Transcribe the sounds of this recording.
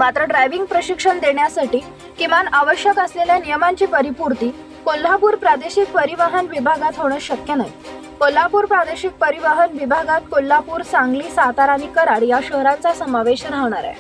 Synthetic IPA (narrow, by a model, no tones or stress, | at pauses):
mat̪ɾəɖɾajʋiŋɡ̚pɾəɕikʂəɳd̪eɳjasaʈiː | kĩʋanaʋəɕjəkəsleljanijəmaɲt͡ɕiːpəɾipuɾt̪iː | kolːapuːɾpɾad̪eɕik̚pəɾiʋaɦənʋibʱaɡat̪ɦoɽ̃əɕəkjənaɦi | kol̤ːapuːɾpɾad̪eɕik̚pəɾiʋaɦənʋibʱaɡat̪̚kolːapuːɾt͡saŋɡliːsat̪aɾanikəɾaɽijaɕəɦɾãnt͡sasəmaʋeɕɾaɦʋɳ̃aɾa̰